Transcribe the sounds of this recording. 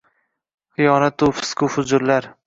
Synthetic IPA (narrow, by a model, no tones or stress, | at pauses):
χɨjɒnat̪ʊfɪ̥skʰʊfʊd͡ʒʊɾlaɾ